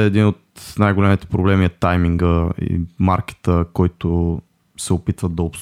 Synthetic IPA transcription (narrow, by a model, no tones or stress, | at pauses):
ɛːd̪inot̪najɡolɛmit̪ɛ̥pɾoblɛmiɛt̪ajmiŋɡəḭmaɾki̥t̪əkɔjt̪o | sɛopit̪vəd̪d̪ɐops